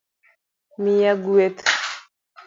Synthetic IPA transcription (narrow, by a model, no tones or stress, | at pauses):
mijaɡuet̪